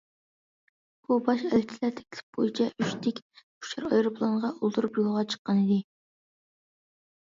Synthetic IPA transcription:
b̥ubɑʃɛlt͡ʃʰilæɾt̪ʰe̥kʲʰlʰɪ̥p̚b̥ojit͡ʃʰɛʔyʃt̪ʰɪkʲ | u̥ʃɑɾɑjɾopʰlˠonʁɑʔulˠt̪ʰuɾupjulˠʁɑt͡ʃʰə̥qːɑnɨd̪ɪ

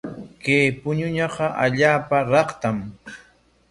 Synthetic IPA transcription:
kejpʊɲʊɲɑqɑʔaʎaːpaɾɑqt̪am

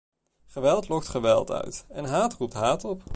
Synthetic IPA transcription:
χəʋɛlˠtlɔk̚tχəʋɛlˠtœ̰ɥtɛnɦaːtrup̚tɦaːtɔp

